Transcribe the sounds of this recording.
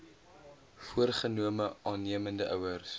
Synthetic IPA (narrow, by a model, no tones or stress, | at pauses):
fuərχənuəməʔɑːnːiəməndəʔœwərs